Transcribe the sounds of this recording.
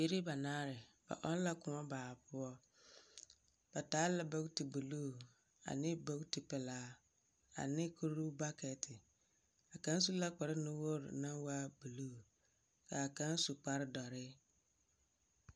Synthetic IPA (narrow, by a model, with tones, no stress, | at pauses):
be˨ɾi˦ba˨naː˦ɾɪ˨b̥a̰˨ʔɔ˦n˦la˦kʊ˨a˦baː˨bʊ˦ɔ˦ | b̥a˨taː˦la˨ba˦kti˨bu˨lu˦˨ | a̰˨nɪ̃˦ba˦kti˨pɪ˨laː˦ | a̰˨nɪ̃˦kʰo˦ɾu˦ba˦kɛ˨tʰɪ˨ | a˨kã˦n˦s̬u˦la˦k͡pa˨ɾɪ˦nʊ̃˦wo˦ɾ̰nã˦wa˦bu˨lu˦˨ | kʰa˨a˨kã˦n˦su˨k͡pa˨ɾɪ˦dɔ˨ɾɪ˦